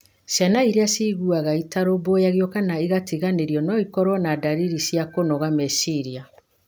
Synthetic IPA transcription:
sjanaiɾeasiɣuaɣaitaɾobojaɣjɔkanaiɣatiɣaneɾjɔnɔikɔɾwɔnadaɾiɾisiakonɔɣamɛsiɾia

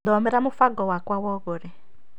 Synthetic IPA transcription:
dɔmɛɾamʊfaɡɔwakwawɔɣoɾɛ

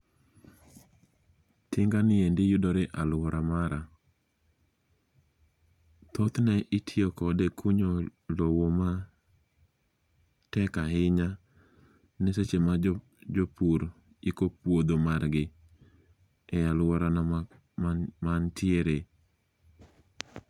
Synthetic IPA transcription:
tʰɪŋɡanɪendɪjudɔɾeʔalwɔɾamaɾa | t̪ʰot̪nɛʔɪtʰɪɔkɔdɛkʰuɲolowoma | tɛkaɦɪɲa | nɪset͡ʃema | d͡ʒopuɾ | ikopwod̪omarɡɪ | ɛalwɔɾan | mantʰɪeɾe

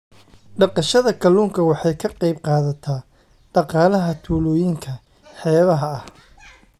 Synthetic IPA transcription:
ɖɑqɑʃɐðɐkʰɐluːŋkʰɐwɑħɑjkʰɐqɑjb̚qɑːðɐt̪ʰaː | ɖ̥ɑqɑːlɐɦɐt̪ʰuːlɔːjɪŋkʰɐ | ħɛːβɐɦɐɐh

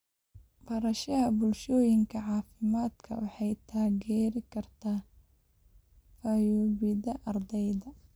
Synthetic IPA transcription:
bɐɾɐʃɐɦɐbʊlʃɔːjɪŋkʰɐʕɑːfɪmaːd̪kʰɐ̰wɑħɑjt̪ʰaːɣɛːɾɪkʰɐrt̪ʰaː | fɐjɔːβɪðɐʔɐrd̪ɛjðɐ

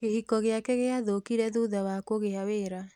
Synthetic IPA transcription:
ɣehikɔɣeakɛɣeaðokiɾɛðuðawakoɣeaweɾa

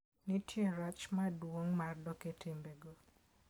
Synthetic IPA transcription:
nitʰjeɾat͡ʃmadwoŋmardɔketʰɪmbeɡo

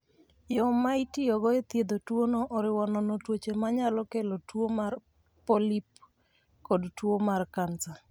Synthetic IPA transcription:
jɔmaitɪɔɡɔet̪jed̪otwonoʔɔɾɪwɔnɔnɔtwot͡ʃemaɲalɔkɛlotwomar | pɔlip | kɔdtwomarkansa

